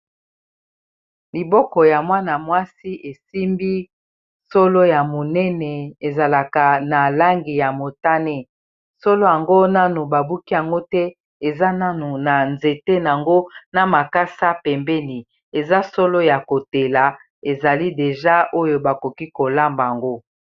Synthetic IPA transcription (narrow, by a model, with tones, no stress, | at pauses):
li˨bɔ˦kɔ˨ja˨mwa˦na˨mwa˦si˦ʔe˨si˦mbi˦ | so˦lo˦ja˨mo˨nɛ˦nɛ˨e˨za˨la˨ka˨na˨la˦ŋɡi˨ja˨mo˨ta˦ne˦ | so˦lo˦ja˨ŋɡo˦na˦nu˨ba˨bu˦ki˦ja˨ŋɡo˦tɛ˦ | e˨za˦na˦nu˨na˨nze˨te˦n˨a˨ŋɡo˦na˨ma˨ka˦sa˦pɛ˨mbɛ˦ni˨ | e˨za˦so˦lo˦ja˨ko˨te˨la˨ | e˨za˨li˦de˨ʒa˦ʔo˦jo˨ba˨ko˨ki˦ko˨la˦mba˨a˨ŋɡo˦